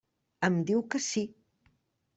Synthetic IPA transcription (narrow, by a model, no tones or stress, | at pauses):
əmd̪iwkəsi